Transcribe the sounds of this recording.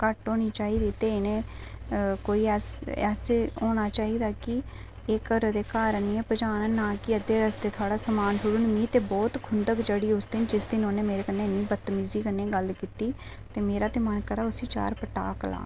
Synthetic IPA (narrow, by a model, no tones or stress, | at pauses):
kəʈoːñiːt͡ʃaːiːd̪iːt̪eːɪnẽː | koːiːɛːsɛːseːoːñaːt͡ʃaːiːd̪aːkɪ | eːkəɾd̪eːkaːɾəniːpəd͡ʒaːnːnaːkɪəd̪eːɾəsd̪eːt̪ʰaːɽaːsəmaːnsʊɽənmĩːt̪eːbɔːt̪kʰʊnd̪əkd͡ʒəɽiːʊsd̪ɪnd͡ʒɪsd̪ɪnoːneːmeːɾeːkənːeːnĩːbət̪ːmiːziːkənːeːɡəlkiːt̪iː | t̪eːmeːɾaːt̪eːmənkəɾaːʊsiːt͡ʃa̰ːɾpəʈa̰ːkla̰ː